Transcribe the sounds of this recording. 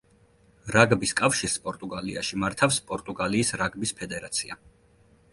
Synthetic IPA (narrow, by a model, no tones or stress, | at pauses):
ɾaɡbiskʼafʃiɾspʼɔɾt̪ʼuɡalḭa̰ʃimaɾt̪ʰafspʼɔɾt̪ʼuɡaliːsɾaɡbispʰɛd̪ɛɾat̪sʰia